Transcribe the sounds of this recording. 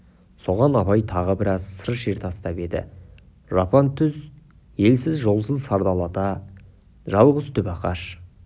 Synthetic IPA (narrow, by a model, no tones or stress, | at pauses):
so̞ʁɑnɑpɑjt̪ʰɑʁəbɪɾɑzsəɾəʃeɾt̪ɑst̪ɑpe̞d̪ɪ̰ | ʒɑpɑnt̪ʰʏz | je̞lsɪzʒo̞lˠsənsɑɾd̪ɑlˠɑd̪ɑ | ʒɑlˠʁəzt̪ʰʏpɑqɑ̰ʃ